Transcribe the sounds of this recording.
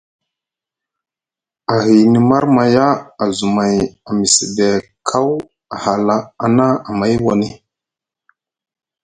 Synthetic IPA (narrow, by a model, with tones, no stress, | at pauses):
a˨ɦi˨ni˨ma˦ɾma˨ja˦a˨zu˨ma˨ja˨mi˨si˨de˨kʰa˦w | a˨ha˨la˦a˨na˦a˨ma˦jwa˨ni˦